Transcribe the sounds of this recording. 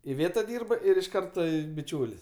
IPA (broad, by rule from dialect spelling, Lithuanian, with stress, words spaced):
ɪˈʋʲeːtɐ ˈdʲiːrbɐ ɪr ɪʃ ˈkɐrtɐ bʲɪˈt͡ʃʲuːlʲɪs